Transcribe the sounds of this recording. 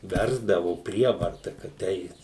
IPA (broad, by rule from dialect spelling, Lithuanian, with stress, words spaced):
ˈʋʲɛrzdɐʋʊ ˈpʲrʲiɛʋɐrtɐ kɐt ˈɛɪt